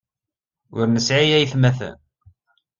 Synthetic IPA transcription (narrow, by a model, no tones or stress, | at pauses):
ʊɾnəsʕijæjθmæθæ̰n